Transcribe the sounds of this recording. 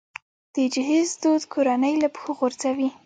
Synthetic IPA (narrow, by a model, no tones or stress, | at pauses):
d̪̥əd͡ʒɪɦizd̪od̪kʰoɾanəjlapə̥xoɣoɾzawi